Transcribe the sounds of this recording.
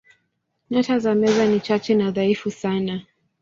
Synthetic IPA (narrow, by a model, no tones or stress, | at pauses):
natazamɛzanit͡ʃat͡ʃɛnaðaifusana